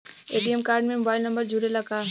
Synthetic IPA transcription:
eːʈiəmkaːɾɖmẽmobaːɪlnɐ̃mbəɾd͡ʒʱuːɽelɐɡaː

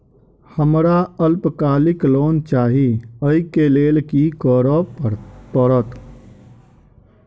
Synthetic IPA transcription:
həmɾaəlpkaːlikloːnt͡ʃaːɦiəikeleːlkikəɾə | pəɾət̪

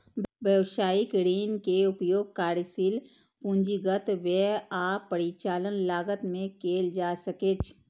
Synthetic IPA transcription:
ʋjəʋʃaːjɪkɾeːnkeʊpjoːɡ̚kaːɾsil | pũːnd͡ʒiɡət̪ʋɛaːpːəɾit͡ʃaːlənlaːɡət̪mẽkeːld͡ʒaːsəkeːt͡ʃʰ

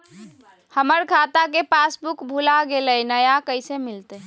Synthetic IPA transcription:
həməɾkʰat̪akepasbukbʱulaɡelənəjakəɪsemilt̪e

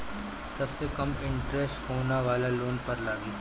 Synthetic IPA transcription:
sɐbsekɐmɪ̃ɳʈɾɛsʈɦoːnaʋaːlaloːnpɐɾlaːɡi

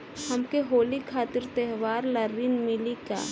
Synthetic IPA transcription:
hɐmkeɦoːlikʰaːt̪ɪɾt̪ɛɦʋaːɾlɐɾːinmɪlika̰ː

